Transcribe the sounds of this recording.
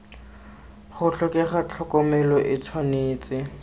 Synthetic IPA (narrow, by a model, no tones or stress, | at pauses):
χʊɬʊkʼɛχat͡ɬʰɔkɔmɛlɔʔɪt͡sʰwaneːt͡sʼɪ